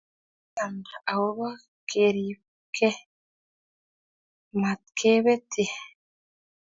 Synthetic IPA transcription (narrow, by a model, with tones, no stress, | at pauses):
a˨ndaa˨wo˦βa˦ | kʰeɾiβ | kʰe˦ | ma˨t̪kʰe˦βe˦ti˨